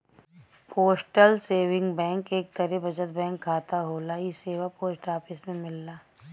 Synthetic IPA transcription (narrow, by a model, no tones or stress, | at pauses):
pʰoːsʈəlseːʋɪ̃ŋɡbɛ̃ːŋkeːk̚t̪əɾɛbɐd͡ʒət̪bɛ̃ːŋkʰːaːt̪aɦoːlaiseːʋapoːsʈaːpɪsmẽmɪlːaː